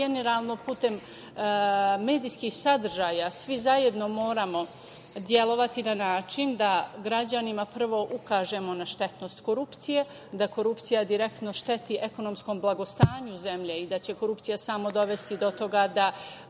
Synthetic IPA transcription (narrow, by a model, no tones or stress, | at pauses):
eneɾalˠno̞puːt̪e̞m | e̞ːd̪ijskixsad̪r̩ʒaːjasʋizaje̞d̪no̞mo̞ːɾamo̞ | d̪je̞lo̞ʋat̪inanaːt͡ʃind̪aɡɾad͡ʑanimapr̩ʋo̞ʔukaːʒe̞mo̞naʃt̪e̞t̪no̞st̪ko̞ɾupt̪sije̞ | d̪ako̞ɾupt̪sijad̪iɾe̞k̚t̪no̞ʃt̪e̞t̪iʔeko̞no̞msko̞mblˠaɡo̞st̪aːɲuze̞mʎe̞id̪at͡ɕe̞ko̞ɾupt̪ijasamo̞d̪o̞ʋe̞st̪id̪o̞t̪o̞ɡad̪a